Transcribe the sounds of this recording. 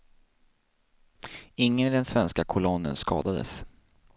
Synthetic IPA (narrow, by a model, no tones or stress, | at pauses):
ɪŋːənd̪ɛnsvɛnskakʰʊlɔnːə̰nskɑ̰ːd̪ad̪ə̰s